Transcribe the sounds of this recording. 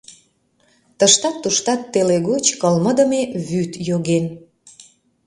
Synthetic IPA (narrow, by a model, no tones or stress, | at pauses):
t̪əʃt̪ɑt̪ːuʃt̪ɑt̪ːeleɣot͡ɕkəlməd̪ə̆meβyt̪joɣen